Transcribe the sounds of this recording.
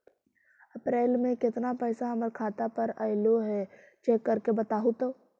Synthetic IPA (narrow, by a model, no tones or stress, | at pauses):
ɐpɾeːlmẽkɪt̪napɛːsaɦɐməɾkʰaːt̪apɐɾɐɪloɦɛ | t͡ʃeːkːɐɾkebɐt̪aːɦut̪o